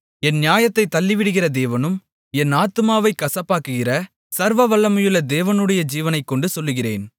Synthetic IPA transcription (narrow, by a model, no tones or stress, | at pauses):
ɛnnjaːjɐt̪ːɐɪt̪ːɐlːɪʋɪɽɯɣɪrɐd̪eːʋɐnɯm | ɛnaːt̪ɯmaːʋɐɪkːɐsɐpːaːkɯɣɪrɐ | sɐɾʋɐʋɐɭːɐmɐjɯɭːɐd̪eːʋɐnɯɽɐjɐd͡ʒiːʋɐnɐɪkːɔɳɖɯsɔlːɯɣɪrḛːn